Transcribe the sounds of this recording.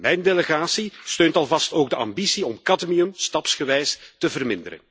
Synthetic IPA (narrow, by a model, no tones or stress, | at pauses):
mɛjndeləɣaːsistøːntɑlˠvɑstoːɡ̚dəɑ̰mbisiɔmkɑdmiɵmstɑpsɣəʋɛjstəvərmɪnd̪əɾə̰n